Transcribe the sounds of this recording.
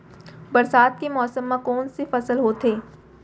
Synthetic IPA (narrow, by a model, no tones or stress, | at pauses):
bɐɾsaːd̪̚kemɔːsəmːãkɔːnsefɐsəlɦoːt̪eː